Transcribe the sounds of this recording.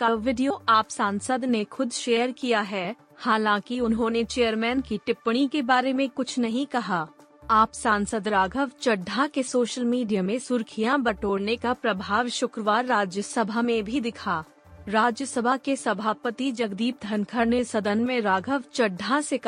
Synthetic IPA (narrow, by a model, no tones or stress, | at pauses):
kaʋʋɪɖijoaːpsãːnsəd̪nexʊd̪ʃeːəɾkijaɦɛː | haːlãkiʊnɦõnet͡ʃeːəɾmɛːnkiʈɪpɽ̃ikebaːɾemẽkʊt͡ʃʰnɐɦĩkɐɦaː | aːpsãːnsəd̪ɾaːɡʱəʋt͡ʃɐɖʱːakesoːʃəlmiːɖijamẽsʊɾkʰijãbɐʈoːɽnekapɾɐbʱaːʋʃʊkɾəʋaːɾːaːd͡ʒjəsɐbʱamẽbʱid̪ɪkʰaː | ɾaːd͡ʒjəsəbʱakesɐbʱaːpət̪id͡ʒɐɡd̪iːp̚d̪ʱɐnkʰəɾnesɐd̪ənmẽɾaːɡʱəʋt͡ʃɐɖʱːasek